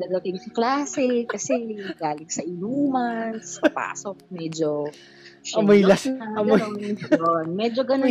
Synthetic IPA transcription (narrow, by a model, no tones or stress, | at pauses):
d̪ɐd̪ɐt̪ɪnsɐklaːsɛkɐsɛɡaːlɪŋsɐʔɪnuːmɐnsɐpa̰ːsok̚mɛːd͡ʒo | ʃɐmojlasɐɐmoonjonmɛd͡ʒoɡɐno